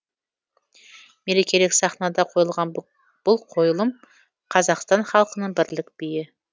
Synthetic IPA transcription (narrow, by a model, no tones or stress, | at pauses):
me̞ɾe̞kʲe̞lɪksɑχnɑd̪ɑqʰo̞jəlˠʁɑn | b̥ʊlˠqʰo̞jlˠəm | qʰɑzɑqst̪ɑnχɑlˠqənəɴbɪɾlɪk̚b̥ɪjɪ